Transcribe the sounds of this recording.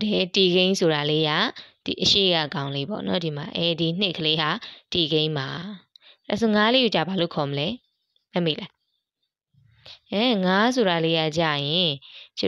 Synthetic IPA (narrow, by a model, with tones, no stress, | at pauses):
ɛ˨ti˨ɡẽ˦ɪ̃nsʰo˨ɾa˨le˦ja˦˨d̥ḭ˨ʔəʃḛ˦˨ka̰˦˨kã˦ʊ̃le˦pɔ̰˦˨nɔ˦di˨ma˨ʔɛ˦˨di˨n̥ɪ˦ʔkʰə˨le˦ɦa˨˦ti˨ɡẽ˦ɪ̃ma˨ | a̰˨s̬o˦˨ŋa˦le˦ju˦˨t͡ɕa˦˨ba˨lo̰˦˨kʰɔ˨məlɛ˦ | mɛ˦˨mḭ˦˨la˦˨ | ʔɛ˦ŋa˦s̬o˨ɾa˨le˦ja˦˨t͡ɕa̰˦˨jɪ̃˨